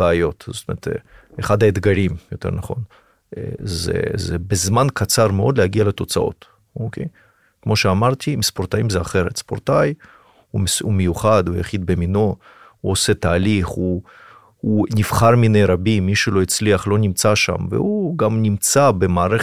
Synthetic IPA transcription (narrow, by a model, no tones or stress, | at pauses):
eajo̞t̪zotomeɾt̪ | eχad̪haed̪ɡaɾimjot̪eɾnaχo̞̰n̰ | zḛzebezmankat͡saʁmeo̞d̪lehaɡialet̪o̞t͡sao̞̰t̪ | okʰej | kmo̞ʃeamaʁt̪ʰimispo̞ɾt̪ajimzeaχeɾet̪spo̰ɾt̪aj | umumejuχad̪uja̰χid̪̚bemino̞ | uoset̪aːliχu | unifχaɾminejɾabimːiʃelo̞it͡sliaχlo̞nimt͡saʃa̰mvḛuɡamnʲimt͡sabemaːʁe